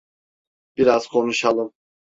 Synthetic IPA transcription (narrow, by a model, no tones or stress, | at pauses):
b̥iɾaz̥kʰo̞nuʃalˠɯm